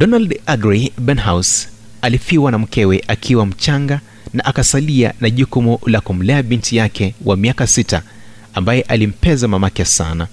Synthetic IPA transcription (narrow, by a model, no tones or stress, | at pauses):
dɔnaldaɡɾibɛnɦaws | alifiwanam̩kɛwɛʔakʰiwam̩t͡ʃaŋɡa | naʔakasalia̰naʄukumulakum̩lɛaɓintijakʰɛwʔamiakasita | ambajɛʔalim̩pɛzamamakɛsa̰na